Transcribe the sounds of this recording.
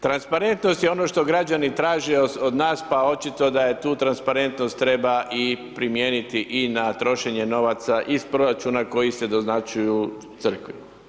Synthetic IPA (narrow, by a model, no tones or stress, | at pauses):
t̪ɾanspaɾe̞nt̪no̞st̪jeo̞no̞ʃt̪o̞ɡɾad͡ʒanit̪ɾaːʒeod̪naːspao̞t͡ʃit̪o̞d̪ajet̪uːt̪ɾanspaɾe̞nt̪nost̪ːɾe̞baʔipɾimjeːnit̪iʔinat̪ɾo̞ʃe̞ɲe̞no̞ʋat̪saʔispɾo̞ɾat͡ʃuːnako̞jise̞d̪o̞znat͡ʃuju | t̪sɨr̩kʋi